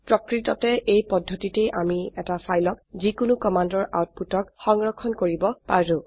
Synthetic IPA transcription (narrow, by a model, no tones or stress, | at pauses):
pɹɔkɹitɔtɛʔejpɔdʱːɔtitejʔamiɛtafʰajlɔk̚zikʊnukɔmandɔɹʔa̰wt̚putɔkxɔŋɹɔkʰːɔnkoɹibɔpaɹʊ̃